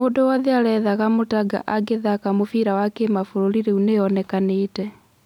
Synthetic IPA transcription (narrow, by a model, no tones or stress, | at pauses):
oːdowɔðɛaɾɛðaɣamotaɡa̰ʔaɡeðakamofiɾawakemafoɾoliɾeuneɔnɛkaneːtɛ